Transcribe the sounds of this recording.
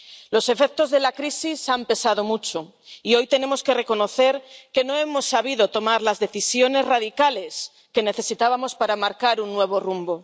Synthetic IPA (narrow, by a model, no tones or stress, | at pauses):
lo̞se̞fek̚t̪o̞zðe̞lakɾisisampe̞sað̞o̞mut͡ʃo | io̞jt̪e̞ne̞mo̞ske̞re̞ko̞no̞θe̞ɾke̞noe̞mo̞sːaβ̞iðo̞t̪o̞maɾlazðe̞θisjo̞ne̞zraðikale̞s | ke̞ne̞θe̞sit̪aβamo̞spaɾamaɾkaɾunːwe̞β̞o̞rumbo̞